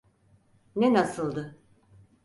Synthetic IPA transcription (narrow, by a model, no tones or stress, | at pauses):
nenasɯlˠd̪ɯ